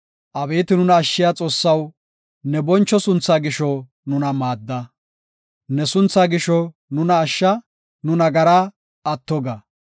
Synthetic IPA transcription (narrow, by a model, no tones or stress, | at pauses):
ʔɐβeːt̪ɪnʊnɐːʃːɪjaːt͡sʼo̞ːsːɐw | nɛbɔnt͡ʃːɔsʊnt͡sːaːɡɪʃɔ | nʊnɐmaːd̪ːɐ | nɛsʊnt͡sːaːɡɪʃɔ | nʊnɐːʃːɐ | nʊnɐɡɐɾa | ɐt̪ːɔɡɐ